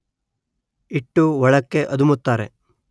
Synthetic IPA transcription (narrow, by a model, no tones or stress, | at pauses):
iʈːuʋɐɭɐkːeʔɐd̪umut̪ːaːɾe